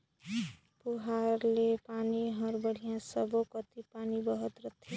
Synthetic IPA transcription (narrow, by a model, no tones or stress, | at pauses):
puɦaɾlepaniɦʌɾbəɽ̤ijãsəbokət̪ipanibəɦət̪ɾət̪ʰi